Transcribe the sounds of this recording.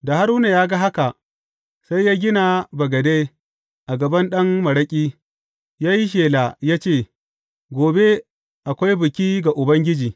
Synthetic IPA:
da˨ha˦ɾu˦na˨jaː˦ɡa˦ɦa˦ka˨ʔ | sa˦jːaː˦ɡʲɪ˦na˨bɐ˨ɡɐ˨de˦ | ʔa˨ɡɐ˨bɐ˦nɗɐ˦mmɐ˨ɽɐ˦kʲʼiː˦ | jaː˦ji˦ʃ̬eː˨la˨jaː˦t͡ʃeː˦˨ | ɡʷoː˨be˦ | ʔa˨kʷa˦jbɪ˨kʲiː˦ɡa˨ʔʊ˨bɐ˦ŋɡʲɪ˦d͡ʒiː˨

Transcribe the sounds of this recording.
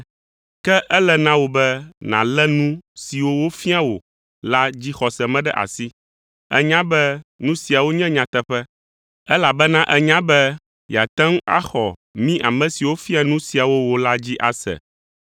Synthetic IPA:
kɛ˦ʔɛ˦lɛ˦˨nã˦wo˨bɛ˦nã̰˨lɛ˦nũ˦si˨wo˦wo˦fi˦a˦wo˨ | la˦d͡ʑi˦xɔ˨sɛ˨mɛ̃˦ɖɛ˦ʔa̰˨si˦ | ɛ̰˦ɲã˦bɛ˦nũ˦si˨a˨wo˦ɲɛ̃˦ɲã˨t̪ɛ˦ɸɛ˦ | ɛ˦la˨bɛ˦nã˦ʔɛ˦ɲã˦bɛ˦ | ja̰˨t̪ɛ̃˦ŋ˦a̰˦xɔ˨mĩ˦ʔa˨mɛ̃˨si˨wo˦fi˦a˦nũ˦si˨a˨wo˦wo˨la˦d͡ʑi˦ʔa˨sɛ̰˨

